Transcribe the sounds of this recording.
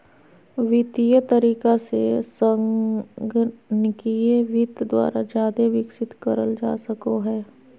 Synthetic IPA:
ʋɪt̪ijət̪əɾiːkasḛsə̃ŋɡnɪkieʋɪt̪d̪wa̰ːɾad͡ʒjaːd̪eʋɪksɪt̪kəɾəld͡ʒa̰ːsəkoɦɛː

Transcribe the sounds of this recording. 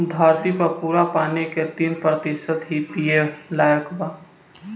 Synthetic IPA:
d̪ʱaːɾt̪ipɐpuːɾapaːneket̪iːnpɾət̪ɪʃət̪ɦipielaːjəkba

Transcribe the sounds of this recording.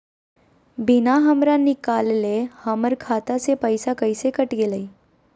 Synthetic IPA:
bɪnaɦəmɾanɪkaːllehəməɾkʰaːt̪asepəɪsakəɪsekəʈɡeləi

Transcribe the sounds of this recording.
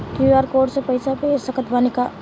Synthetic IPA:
kiaɾkoɖsepəjsapesəkət̪banika

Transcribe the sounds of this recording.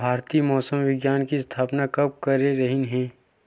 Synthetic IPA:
bʱaːɾt̪iːmɔːsəmʋɪɡjaːnkist̪ʰaːpnakɐb̚kɐɾeɾɐɦinɦɛ̃ː

